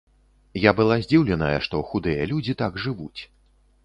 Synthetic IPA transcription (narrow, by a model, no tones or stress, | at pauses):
jabɨlˠazʲd͡zʲiwlʲɛnɐjɐ̰ʂt̪ɔxud̪ɨjɐlʲud͡zʲit̪aɡʐɨvut͡sʲ